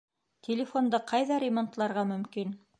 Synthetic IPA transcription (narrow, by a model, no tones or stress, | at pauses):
t̪ʰʲɪlʲɪfo̞nd̪ɤqʰɑjðɑɾʲɪmo̞nt̪lˠɑɾʁɑmɵ̆mkin